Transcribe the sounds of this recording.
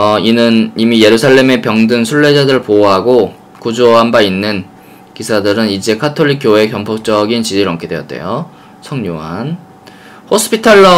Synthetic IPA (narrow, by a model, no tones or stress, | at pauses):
ʌinɯnimije̞ɾusʰaɭːe̞me̞pjʌŋdɯnsʰuɭːe̞d͡ʑadɯɾɯɭpoɦaɡo | kud͡ʑoɦambainːɯn | kisʰadɯɾɯnid͡ʑe̞kʰatʰoʎːik͈ʰːjoe̞kjʌmpʰok̚t͡ɕ͈ʌɡint͡ɕid͡ʑiɾɯɭʌmkʰedwe̞jʌt̚t͈e̞̰jo | sʰʌŋɲuɦan | hos͈ʰɯ̥pʰitʰaɭːʌ